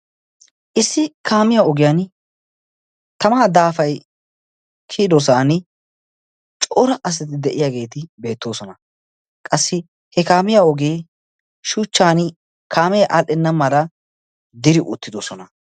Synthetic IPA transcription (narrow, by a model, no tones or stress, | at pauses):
ʔɪsːɪkaːmɪjaɔɡɪjaːn | t̪ɐmaːd̪aːfɐj | kʰiːd̪os̬aːn | t͡ʃʼoːɾɐʔɐs̬ɐt̪ɪd̪ɛʔɪjaːɡe̞ːt̪ɪbe̞ːt̪ːo̞ːsɔnɐ | kʼɐsːɪ | hɛkaːmɪjaːɔɡeː | ʃuːt͡ʃːaːn | kʰaːmɛjʔaːlʔɪnːɐmɐlɐ | d̪ɪɾɪʔʊ̰t̪ːɪd̪osɔnɐ